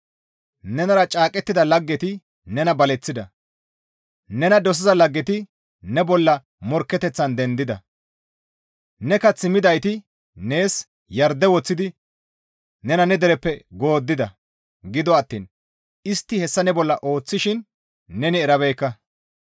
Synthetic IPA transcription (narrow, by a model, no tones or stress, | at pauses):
nɛnɐɾɐt͡ʃʼaːkʼɛt̪ːɪd̪ɐlɐɡːɛt̪ɪ | nɛnɐbɐlɛt͡sːɪd̪ɐ | nɛnɐd̪ɔs̬ɪzɐlɐɡːɛt̪ɪ | nɛbɔlːɐ | mɔɾkːɛt̪ɛt͡sːɐnd̪ɛnd̪ɪd̪ɐ̰ | nɛkɐt͡sːɪmɪd̪ɐjt̪ɪ | ne̞ːs | jɐɾd̪ɛwɔt͡sːɪd̪ɪ | nɛnɐnɛd̪ɛɾɛpːɛɡo̞ːd̪ːɪd̪ɐ̰ | ɡɪd̪ɔɐt̪ːḭːn | ɪst̪ːɪhɛsːɐnɛbɔlːɐʔo̞ːt͡sːɪʃɪnː | ɛnɪɛɾɐβɛjkːɐ